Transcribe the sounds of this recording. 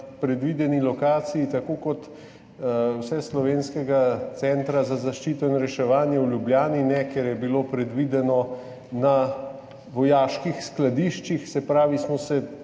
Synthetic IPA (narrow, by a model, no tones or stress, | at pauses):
pɾɛd̪ʋid̪ɛnilɔkaːt̪sijit̪akoːkɔt̪ | wsɛslɔʋeːnskɛɡat̪sɛnt̪ɾazazaʃt͡ʃiːt̪ɔinɾɛʃɛʋaːnjɛwljubljaːninɛkɛɾjɛbiloːpɾɛd̪ʋid̪ɛnɔ | na | ʋɔjaːʃkixsklad̪iʃt͡ʃixsɛpɾaːʋismɔsɛ